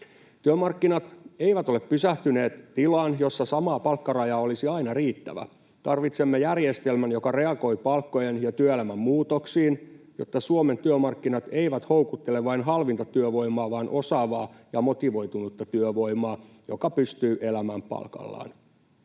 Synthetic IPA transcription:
t̪yømɑrkːinɑt̪eijʋæt̪o̞leppysæht̪yne̞ːt̪t̪ilɑːnjo̞sːɑsɑmɑːpɑlkːɑrɑjɑːo̞lisiɑinɑriːt̪ːæ̰ʋæ̰ | t̪ɑrʋit̪semːejærjest̪e̞lmænjo̞kɑre̞ɑɡo̞jpɑlkːo̞jenjɑt̪yøelæmæmːuːt̪oksiːnjo̞̰t̪ːɑsuome̞nt̪yømɑrkːinɑt̪e̞iʋæt̪howkut̪ːe̞leʋʋɑinɦɑlʋint̪ɑt̪yøʋo̞imˑɑːʋɑːnʔo̞sɑːʋɑːjɑmo̞t̪iʋo̞jt̪unut̪ːɑt̪yøʋo̞jmɑː | jokɑpyst̪yːʔe̞læmæmpɑ̰lkɑ̰lːɑ̰ːn

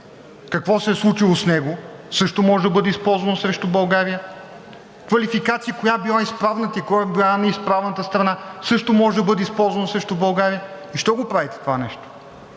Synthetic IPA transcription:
kɐkvɔsɛslˠut͡ʃilˠosnɛɡosɤʃt̪omɔʒɛd̪ɐbɤd̪ɛispɔlˠzvɐnosɾɛʃt̪obɐlˠɡaɾijə | kvɐlifikat̪sijəkojabilˠaispɾavnət̪əikojabilˠanɐispɾavnət̪əst̪ɾɐnasɤʃt̪omɔʒɛd̪ɐbɤd̪ɛispɔlˠzvɐnosɾɛʃt̪obɐlˠɡaɾijə | iʃt̪ɔɡopɾavit̪ɛ̥t̪ovanɛʃt̪o̥

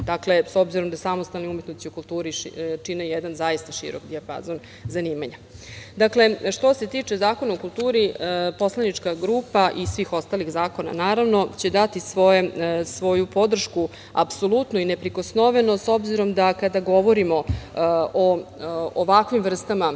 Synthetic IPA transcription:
d̪akle̞so̞bziɾo̞md̪asamost̪alnoumje̞t̪nost̪iukulˠt̪uːɾit͡ʃinejɛd̪anzaist̪aʃḭɾokd̪iapa̰zon | zaniːmaɲad̪akle̞ʃt̪o̞se̞t̪iːt͡ʂe̞zaːko̞naokulˠt̪uːɾipo̞slˠanit͡ʂkaɡɾuːpaʔisʋixo̞st̪alixzaːko̞na̰naːɾaʋno̞t͡ɕe̞d̪at̪isʋoesʋo̞jupo̞d̪r̩ʃku | a̰psolˠut̪nuinepɾiko̞snoʋe̞no̞so̞bziɾo̞md̪akad̪aɡo̞ʋo̞ɾimo̞ʔooʋakʋimʋr̩st̪ama

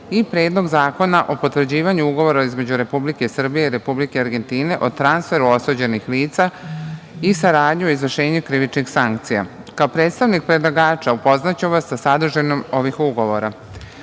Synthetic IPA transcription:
ipɾe̞ːd̪lˠo̞ɡzaːko̞naʔo̞po̞t̪ʋr̩d͡ʑiːʋaɲuuɡo̞ʋo̞ɾaizme̞d͡ʑuɾe̞publike̞sr̩bijeiɾe̞publikeaɾɡe̞nt̪iːne̞ʔot̪ɾansfe̞ɾuo̞sod͡ʑenixliːt̪sa | isaɾaːd̪ɲioizʋr̩ʃe̞ːɲukɾiʋit͡ʃnixsaŋkt̪sija̰ | kaopɾet̪st̪aʋnik̚pɾed̪lˠaɡaːt͡ʃaupo̞znat͡ɕumʋasːasad̪r̩ʒenomo̞ʋixuɡo̞ʋo̞ɾa

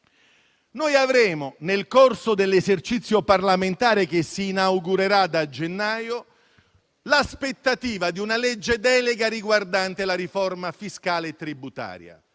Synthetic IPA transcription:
nojavɾɛːmʊnelkorsod̪elːezert͡ʃit̪sːjoparlament̪aːɾek̟esːiːnawɡuɾeɾad̪ad͡ʒenːaːjo | laspet̪ːat̪iːvad̪iunalɛd͡ʒːed̪ɛːleɡaɾiɡward̪ant̪elaɾiformafiskaːlet̪ːɾibut̪a̰ːɾja̰

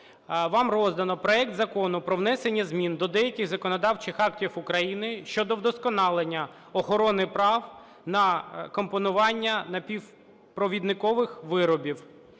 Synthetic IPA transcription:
ʋɑmrɔzd̪ɐnɔpɾɔɛk̚t̪zɐkɔnʊpɾɔwnɛsenʲːɐzmʲind̪ɔd̪ɛjɐkʲɪɣzɐkɔnɔd̪ɑwt͡ʃɪxɑktʲifʊkɾɐjinɪʃt͡ʃɔd̪ɔwd̪ɔskɔnɑlˠenʲːɐ | ɔxɔɾɔnɪpɾɑw | nɐkɔmpɔnʊʋɑnʲːɐnɐpʲiw | pɾɔʋʲid̪nɪkɔʋɪxʋɪɾɔbʲiw

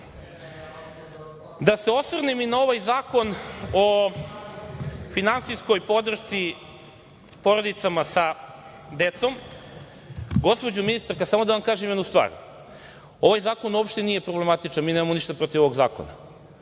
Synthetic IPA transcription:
d̪aseo̞sʋrneminao̞ʋajzaːko̞no | finansisko̞jpo̞d̪r̩ʃt̪si | po̞ɾod̪it̪samasa | d̪e̞t̪so̞m | ɡo̞spo̞d͡ʑuminist̪aɾkasaːmo̞d̪aʋamkaːʒemjd̪nust̪ʋa̰ːɾ | o̞ʋajzaːkonuopʃt̪enijepɾo̞ble̞mat̪it͡ʃanmineːmamoniʃt̪apɾo̞t̪iʋo̞ʋoɡza̰ːko̞̰na̰

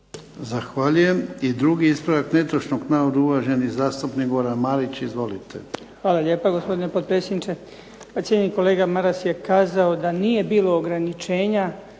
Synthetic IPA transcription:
zaxʋaːʎuje̞mid̪ɾuɡiispɾodaknet̪oʃnoɡnaːɾod̪auʋaʒe̞nizaːst̪upniɡoɾamaɾit͡ɕizʋo̞lit̪ʰḛ | xʋaːlaʎe̞ːpaɡospo̞d̪inepod̪̚pɾetsjed̪nit͡ʃe̞ | pat̪sjeɲeniko̞le̞ːɡamaɾasje̞kaːzaod̪anije̞biːlo̞ːɡɾanit͡ʃe̞ːɲa

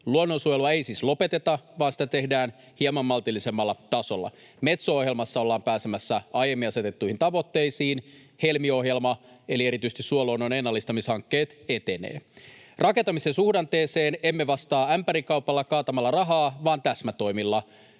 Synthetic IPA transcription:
luonːo̞nsujeluɑe̞ijsislo̞pe̞t̪et̪ɑʋɑːnsi̥t̪æt̪e̞hdæːn | hiɑmɑmːɑlt̪ilːise̞mːɑlːɑt̪ɑso̞lːɑ̰ | me̞t̪sooɦjelmɑsːɑo̞lːɑːmpæːse̞mæsːæɑjemːinɑset̪e̞t̪ːuihint̪ɑʋo̞t̪ːe̞jsiːn | he̞lmio̞ɦjelmɑe̞lie̞ɾit̪yst̪issuoloːnːonenːɑlːist̪ɑmishɑŋkːe̞ːt̪e̞t̪e̞nḛːrʔɑke̞nt̪ɑmisensuhdɑnt̪eːseːne̞mːeʋɑst̪ɑːæmpæɾikɑwpɑlːɑkɑːt̪ɑmɑlːɑrɑɦɑːʋɑːnt̪æsmæt̪o̞jmilːɑ

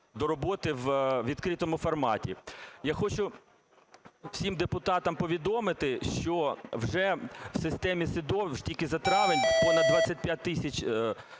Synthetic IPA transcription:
d̪ɔɾɔbɔt̪ɪwʋʲid̪̥kɾɪt̪ɔmʊfɐrmɑtʲḭjaxɔt͡ʃʊ | wsʲimd̪epʊt̪ɑt̪ɐmpɔʋʲid̪ɔmɪt̪ɪʃt͡ʃɔwʒɛw̥sɪst̪ɛmʲisɪd̪ɔtʲilʲkɪzɐt̪ɾɑʋɪnʲpɔnɐd̪ʋat͡sʲsʲɐtʲpʲjat̚ʲt̪ːɪsʲɐt͡ʃ

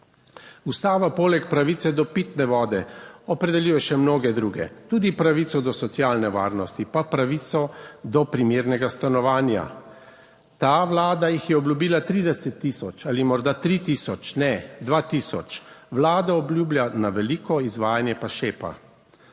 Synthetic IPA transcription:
ust̪aːʋapoːlɛkpɾaʋit̪sɛd̪ɔpiːt̪nɛʋɔːd̪ɛɔpɾɛd̪ɛliːjɛʃɛmnoːɡɛd̪ɾuːɡɛ̰t̪uːd̪ipɾaʋit̪sɔd̪ɔsɔt̪sjaːlnɛʋa̰ːɾnɔst̪ipapɾaʋit̪sɔd̪ɔpɾimjeːɾnɛɡast̪anɔʋaːnja̰ | t̪aʋlaːd̪ajixjɛɔblʲjubiːlat̪ɾiːd̪ɛsɛt̪ːisɔt͡ʃalimɔɾd̪at̪ɾit̪isɔt͡ʃnɛd̪ʋaːt̪isɔ̰t͡ʃʋlaːd̪aɔbljuːblʲjanaʋɛliːkɔizʋaːjanjɛpaʃeːpa̰

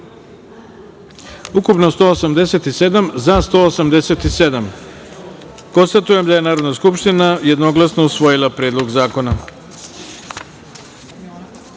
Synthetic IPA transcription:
ukupno̞st̪o̞ːosamd̪ese̞t̪ise̞d̪amzast̪o̞ːosamd̪e̞se̞t̪ised̪am | ko̞nst̪at̪uje̞md̪aje̞naːɾo̞d̪naskupʃt̪inaje̞d̪no̞ɡlˠasno̞usʋo̞jilapɾeːd̪lˠo̞ɡzaːko̞na

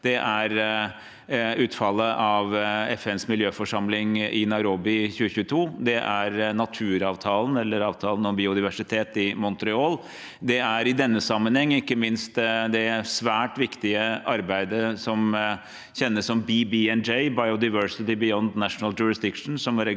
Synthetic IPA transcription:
d̪̥ɛʔæɾ | ʉːt̪fɑlːəʔɑʋɛfɛnsmɪljøːfɔʂɑmlɪŋɪnɑɪɾobɪçʉːəçʉːət̪ʰuːd̪ɛʔæɾnɑt̪ʰʉːɾɑːʋt̪ʰɑːlənɛlːəɾɑːʋt̪ʰɑːlənɔmbiːʊd̪ɪʋæʂɪt̪ʰeːt̪ɪmɔnt̪ɾɛɔːl | d̪ɛæɾɪd̪ɛnːəsɑmːənhɛŋːɪkːəmɪnst̪d̪ɛsʋæːʈʋɪkt̪ɪəʔɑɾbæɪd̪əsɔm | çɛnːəsːɔmbibiɛnd͡ʒɛɪbɑɪʊd̪ɑɪʋœɹsɪt̪ɪbɪjɔnd̪næʂnəld͡ʒʊɾɪsd̪ɪkʂn̩sɔmæɾɛ

